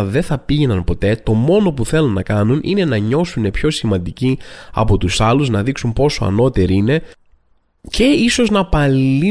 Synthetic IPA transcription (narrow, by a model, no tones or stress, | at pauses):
ðe̞θɐpiʝe̞nɐnpo̞t̪e̞t̪o̞mo̞no̞puθe̞lunːɐkɐnunʔine̞nɐɲo̞sune̞pço̞simɐ̃nd̪iciɐ̰po̞t̪usɐluznɐðiksunpo̞so̞ɐ̰no̞t̪e̞ɾiine̞ | ce̞iso̞znɐpɐli